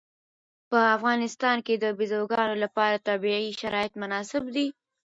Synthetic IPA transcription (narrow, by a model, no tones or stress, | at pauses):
pəafɣɑnɪst̪ɑnked̪əbɪzoɡɑnolapɑɾat̪ɑbiiʃaɾɑɪt̪mʊnɑsɪbd̪i